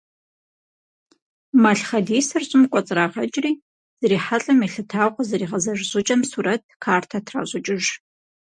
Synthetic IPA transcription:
maɬχɐdiːsɐrɕʼɪmkʷʼɔt͡sʼraːʁɐt͡ʃʼriː | z̥ɨɾiːħaɬʼɐmiɬɨtʰaːʁʷɔzɐɾiːʁɐzɐʒɕʼʊt͡ʃʼɐmsuːɾɐt̚ʰkʰaːrtʰɐtʰra̰ɕʼʊt͡ʃʼɪʒ

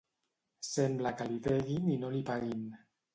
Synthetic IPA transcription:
semblakalit̪eɣininolipaɣin

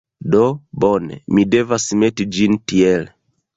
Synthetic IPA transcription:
dɔbɔnɛ̰midɛvasimɛtid͡ʒintiɛlɛ

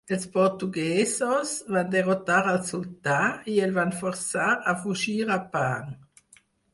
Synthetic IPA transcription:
ɛlspɔʁt̪uɡɛːsosvand̪eʁot̪aʁalsult̪aiɛlvanfɔʁsaʁafuʒiːʁapaŋ

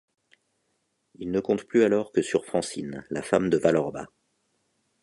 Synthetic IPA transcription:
ilnəkɔ̃t̪plyalɔʁkəsyʁfχɑ̃sinlafamd̪əvalɔʁba̰

